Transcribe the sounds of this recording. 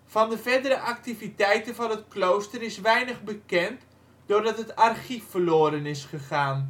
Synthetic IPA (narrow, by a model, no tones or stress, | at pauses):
vɑndəvɛrdəɾəʔak̚tivitɛjtənvɑnətklowstərɪsʋɛjnəχbəkɛnt | d̥ʊːrdɑtɦətarχifːərloːɾənɪsχəχaːn